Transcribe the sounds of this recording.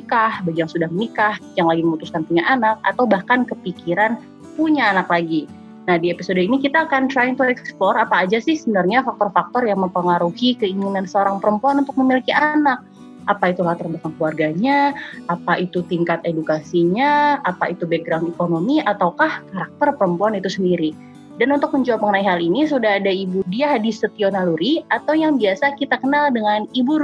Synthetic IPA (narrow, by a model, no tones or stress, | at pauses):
ikahbad͡ʒaŋsudahməmikahjaŋlaɡiməmut̪uskanpuɲaʔanak̚a̰t̪awbahkankəpikiɾan | puɲaːnaklaɡi | nahdiepisodoinikit̪aːkant̪ɾajɪŋt̪uɛksplɔrapaːd͡ʒasɪhsəbənarɲafak̚t̪ɔrfak̚t̪ɔrjaŋməmpəŋaɾuhikəiŋinansəoɾaŋpəɾəmpuanunt̪ʊk̚məmilikiʔanak̚ | ʔapait̪ulaht̪ərbakankluarɡaɲaapaʔit̪ut̪iŋkat̪edukasiɲaapait̪ubeɡɾanɛkonomiʔat̪awkahkaɾak̚t̪ərpəɾəmpuanit̪usəndiɾi | danunt̪ʊk̚məɲd͡ʒaapəŋənaiɦalinis̬udaɦadaibudiahdisət̪ionaluɾiat̪awjaŋbiasakit̪akənaldəŋanibuɾ